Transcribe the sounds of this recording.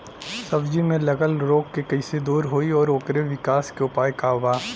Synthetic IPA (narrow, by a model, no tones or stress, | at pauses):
sɐbd͡ʒimẽlɐɡəlɾoːkːekɐised̪uːɾɦoːiɔːɾoːkɾeʋɪkaːskeʊpaːjkaːʋaː